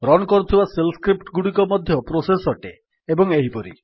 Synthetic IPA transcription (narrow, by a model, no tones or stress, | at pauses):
ɾɔnɔkɔɾut̪ʰibaselskɾip̚ʈɡuɽikɔmɔd̪ʱjɔpɾosesɔʈe | ebɔŋeɦipɔɾḭ